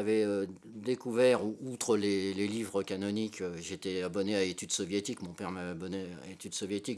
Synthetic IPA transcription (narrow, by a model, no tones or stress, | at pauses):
avɛø | d̪ekuvɛʁuut̪χəlelelivʁəkʲanɔnikʰøʒet̪ɛabɔneaet̪yd̪sɔvjet̪ikmɔ̃pɛʁmavɛabɔnea̰et̪yd̪sɔvjet̪ik̚